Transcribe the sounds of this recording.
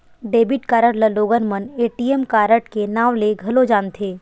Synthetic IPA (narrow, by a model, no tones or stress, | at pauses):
ɖeːbɪʈkaːɾəɽləloːɡənməneːʈijemkaːɾəʈkenaːʋleɡʱɐlod͡ʒãːnt̪ʰeː